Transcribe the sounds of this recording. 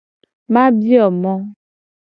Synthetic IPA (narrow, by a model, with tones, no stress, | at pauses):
mã˦bi˦ɔ˨mɔ̃˦